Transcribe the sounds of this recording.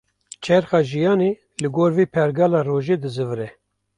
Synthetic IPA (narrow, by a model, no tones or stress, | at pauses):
t͡ʃʰɛɾxɑːʒijɑːneː | lɨɡoːɾviːpʰɛɾɡɑːlɑːroːʒeːd̪ɨzɨvɨɾɛ